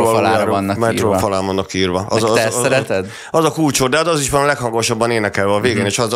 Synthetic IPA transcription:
ɔlaaːɾonːmɛt̪ɾofɒlaːʋvɒnːɒkːiiːrvɒɒzɛɛɾɛt̪ɛd̪ | ɒzɒkuːlt͡ʃod̪ɛd̪ɒziʃʋɒnɒlɛkhɒŋɡoʃɒbːɒneːnɛkɛlvɛɒveːɡeːneːʃɒz

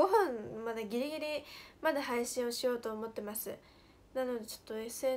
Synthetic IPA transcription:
o̞ɦõ̞ɴmad̪aɡʲiɾʲiɡʲiɾʲimad̪ahaiɕĩɰ̃o̞ɕijo̞ːt̪o̞ːmo̞t̪ːe̞masɨ̰ | nano̞d̪e̞t͡ɕo̞̥t̪ːo̞e̞sɨeː

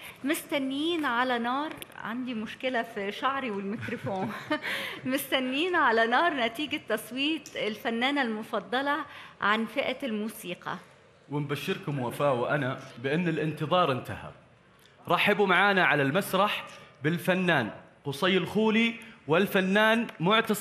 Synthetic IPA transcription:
mɪst̪ænːiːnʕalænɑːɾˤʕa̰nd̪imʊʃkɪlæfiʃaʕɾiwɪlmɪkɾofoːn | mɪst̪ænːiːnʕalænɑːɾˤnæt̪iːɡat̪ːɑsˤwiːt̪ˤɪlfænːæːnalmʊfɑd̪ˤːɑlɑʕanfɪʔælmuːsiːqɑ̰ | wɪmbaʃːɪɾkʊmwafaːʔwɪʔanabɪʔɪnːɪlʔɪnt̪ɨðˤɑːɾˤʔɪnt̪aha̰b̚ | ɾˤɑħɪbumaʕaːnaʕalalmasɾˤɑħbɪlfanːaːn | qʊsˤɑjːɪlxuːliwɪlfanːaːnmʊʕt̪ɑs

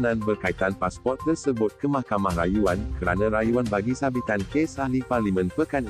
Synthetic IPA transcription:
nãnbərkait̪anpaspɔrt̪̚ːərsəbʊt̪̚kəmãhkamahrajuankəɾa̰nãɾajuanbaɡisabit̪ankesahliparlimə̃npəkan

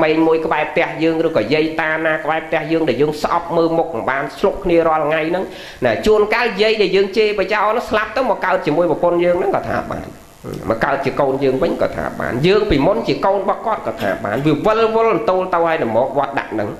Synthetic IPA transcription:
meːɲmuəjkəɓaɛp̚ʰt̪ɛ̆əhjəːŋrɨːkɑːjiəjt̪aːnaːkəɓaɛp̚ʰt̪ɛ̆əhjəːŋɗaɛljəːŋsʔɑ̰p̚məːlmuk̚nŋɓaːnsʰluʔkʰːniərŏəlŋajnɨŋ | naːt͡ɕuənkaːljiəjɗaɛljəːŋt͡ɕeːprat͡ɕaɔnɨŋslap̚t̪ɨwmɔkːaət̪̚t͡ɕiəmuəjʋɔpʊnjəːŋnɨŋkɑːt̪ʰa̰ːɓa̰ːn | mɑ̰kaət̪̚t͡ɕiəkoːnjəːŋʋɨɲkɑ̰ːt̪ʰa̰ːɓa̰ːnjəːŋpiːmunt͡ɕiəkoːnɓɑːhkŏət̪̚kɑːt̪ʰa̰ːɓa̰ːnʋiəʋɨlʋʊlnt̪oːlt̪ɨwhaəjnɨmɔːk̚ʋŏət̪̚ɗa̰ʔnɨŋ

